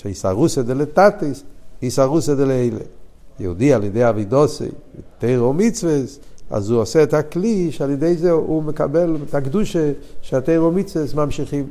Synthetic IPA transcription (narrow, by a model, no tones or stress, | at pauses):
ʃaisa̰ʁusedelet̪atisisaʁusedeleeɪlḛ | jo̰ud̪ialjedejaveɪdɔsḛjteɪʁomit͡svesa̰zuosɛːthakliʃealjedejzɛumeka̰bɛlet̪akduʃeʃeateɪʁomit͡svesmamʃiχim